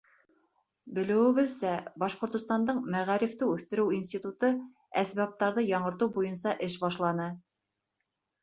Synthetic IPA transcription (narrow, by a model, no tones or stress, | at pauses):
bɘ̆lɘ̆wɘ̆βɘðsæbɑʃqŏɾt̪ŏst̪ɑnd̪ɤɴmæʁæɾift̪ɘʉθt̪ɘ̆ɾɘwinst̪ʲit̪ut̪ɤ | æsbæp̚t̪ɑɾðɤjɑɴɤ̆ɾt̪ɤwbujɤnsɑʔɘʃbɑʃlˠɑnɤ